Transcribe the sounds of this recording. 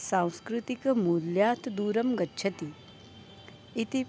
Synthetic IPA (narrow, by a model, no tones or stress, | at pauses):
sãːw̃skɾɪt̪ikmuːljaːt̪ʰd̪uːɾɐmɡɐtːʃʰɐt̪i | it̪i